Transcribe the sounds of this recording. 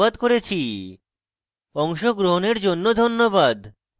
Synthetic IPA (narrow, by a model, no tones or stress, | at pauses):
ad̪koɾet͡ɕʰi | ɔŋʃoɡɾoɦoneɾd͡ʑonːod̪ʱonːobad̪